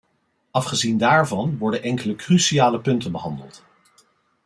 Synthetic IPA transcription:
ʔɑfχəzindaːɹvɑnʋɔɹdənʔɛŋkələkrysiaːləpɵntənbəɦɑndə̰lˠt

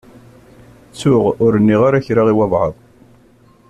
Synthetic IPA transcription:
t͡sːʊʁʊɾənːiʁaɾæçɾaʁiwɑðˤʕəðˤ

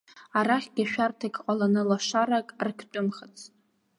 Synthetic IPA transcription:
aɾaχʲɡʲaʃᶣartʰakʼqʼalanɨlaʂaɾakʼrkʰt͡pʼʊmχat͡sʰʼ

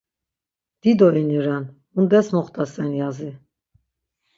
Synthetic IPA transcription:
d̪̥id̪ɔiniɾan | und̪ɛsmɔχt̪asɛnjazi

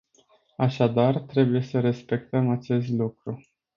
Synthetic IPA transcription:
aʃad̪art̪ɾe̞buje̞səɾe̞spe̞k̚t̪əmat͡ʃe̞st̪lukɾu

